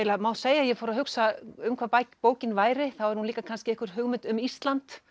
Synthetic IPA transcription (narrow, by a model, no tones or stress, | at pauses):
elamawseːjaðjɛfɔːɾaɦʏksaʏmkʰapajcpoːwcɪnvaːjɾɪθawɛɾ̥hunliːkakʰanscɪɛhkvʏɾ̥ɦʏɣmɪnt̪ʏmist̪lant̪